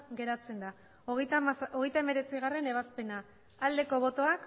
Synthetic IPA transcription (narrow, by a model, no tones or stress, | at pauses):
ɡe̞ɾat͡se̞nd̪a | o̞ɣejt̪ae̞me̞ɾe̞t͡siɣare̞ne̞βaspe̞na | ald̪e̞ko̞β̞o̞t̪o̞ak